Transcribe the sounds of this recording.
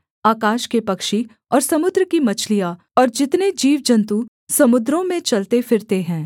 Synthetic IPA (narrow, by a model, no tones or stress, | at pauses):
aːkaːʃkepɐkʃi | ɔːɾsɐmʊd̪ɾəkimɐt͡ʃʰlija | ɔːɾd͡ʒɪt̪ned͡ʒiːʋd͡ʒɐ̃nt̪u | sɐmʊd̪ɾõmẽt͡ʃɐlt̪efɪɾt̪eɦɛ̃ː